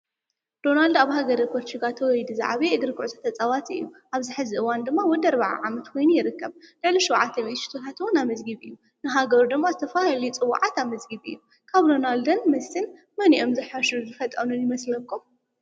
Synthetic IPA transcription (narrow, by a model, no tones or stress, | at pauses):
d̪̥o̞nald̪aβhaɡɐɾipʰoɾt͡ʃiɡat̪ʰɐwɔjd̪uza̰ʕβeɨɡɨɾɨkʰuʕt̪ʰḁt̪ʰɐt͡sʼawat̪ɨ̰jːuʔaβzɨħɨzɨʔɨwand̪ɨmːawɔd̪ɐɾbaʕa̰ʕamɐt̪kʰojnujɪɾɨkːɐβlɨʕliʃɔwʕat̪ʰːɐmit̪ʃi̥t̪ʰot̪ʰat̪ɨwɔnamɨzɡɨβɨjːu | nɨɦaɡɐɾud̪ɨmːazɨt̪ʰɐfahlijt͡sʼɨwa̰ʕat̪amɨzɡɨβɨ̰jːu | kʰaβd̪o̞nald̪ɐnmɐsɨn | mɐniʔo̞mzɨħaʃɨɾuzɨfɐt̪ʼɐnunjɪmɐslɐkʰːum